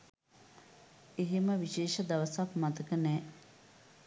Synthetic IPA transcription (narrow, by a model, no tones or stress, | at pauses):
eɦeməʋiʃeːʃəd̪ɐʋəsɐkmɐt̪əkənɛː